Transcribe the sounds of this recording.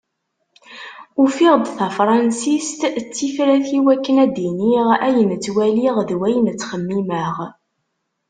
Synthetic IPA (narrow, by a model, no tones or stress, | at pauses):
ufiʁd̪θæfɾˤɑnsist̪t͡sːifɾæθiwækːənæd̪iniʁæjənt͡sːwæliʁðwæjnt͡sːχəmːiməʁ